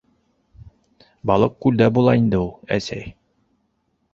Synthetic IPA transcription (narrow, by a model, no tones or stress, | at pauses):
bɒlˠɤq̚kʉld̪æbulˠɑind̪ɘulˠæ̰sæj